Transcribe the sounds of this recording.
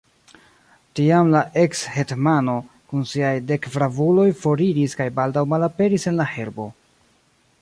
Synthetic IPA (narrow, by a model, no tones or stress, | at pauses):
tiamlaʔe̞kshe̞tmano̞ | kunsiajde̞kvɾavulo̞jfo̞ɾiɾiskajbaldawmalape̞ɾise̞nlahe̞ɾbo̞